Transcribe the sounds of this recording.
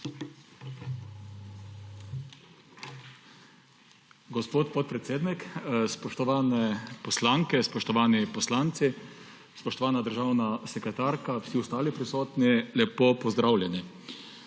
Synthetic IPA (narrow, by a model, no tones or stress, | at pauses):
ɡɔspoːt̪pɔt̪̚pɾɛt̪seːd̪nikspɔʃt̪ɔʋaːnɛpɔslaŋkɛspɔʃt̪ɔʋaːnipɔslaːnt̪si | spɔʃt̪ɔʋaːnad̪əɾʒaːwnasɛkɾɛt̪aːɾkawsiust̪aːlipɾisoːt̪nilɛpopɔzd̪ɾaːwlʲjɛni